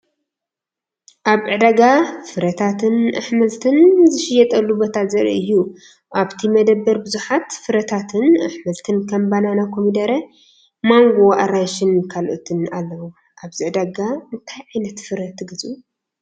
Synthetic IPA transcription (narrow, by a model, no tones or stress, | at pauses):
ʔaβʕɨd̪aɡafɨɾɐt̪ʰat̪ʰɨnaħmɐlt̪ʰɨnzɨʃɪjːɛt̪ʼɐlːubot̪ʰazɐɾḭʔɨjːu | ʔaβt̪ʰimɐd̪ɐbːɐɾbɨzuħat̪fɨɾɐt̪ʰat̪ʰɨnaħmɐlt̪ʰɨnkʰɐmbananakʰo̞mid̪ɐɾɐ | maŋɡo̞ʔaɾaʃɪnkʰalʔot̪ʰɨnalːɐwu | ʔaβziʕɨd̪aɡaɨnt̪ʰajʕajnɐt̪fɨɾɐt̪ʰɨɡɨzu